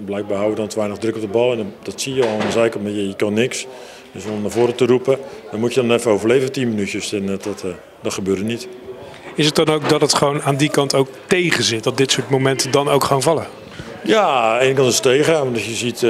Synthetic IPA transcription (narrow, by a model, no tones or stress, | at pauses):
blɛjɡ̚baːɦawjədɔnətʋɛjnəɣdrɵkɔp̚dəbɑlˠɛnd̥ɔtsijəɔlˠɪndəzɛjknmɛjəjəkɑnːɪks | dəsɔmnavoːɾətəɾupəd̥ɔmutjədɔnɛfəowvərlejvətinmənytjəsɛnt | dɔtχəbøːdənit | ɪsət̚dɑnowk̚dɑtətχəʋownaːndikɑntowk̚tejχəzɪt̚dɑt̚dɪtsʊːɹtmowmɛntədɑnowkχʋownvɑlˠə | jaːejnəkɑntsə̥tejɣanʋɔndɔjəzit